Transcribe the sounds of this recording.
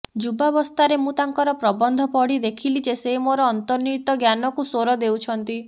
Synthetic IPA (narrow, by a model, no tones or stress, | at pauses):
d͡ʒubabɔst̪aɾemũt̪aŋkɔɾɔpɾɔbɔnd̪ʱɔpɔɽid̪ekʰilid͡ʒesemoɾɔːnt̪ɔɾnujt̪ɔɡjanɔkusoɾɔd̪ewt͡ʃʰɔnt̪i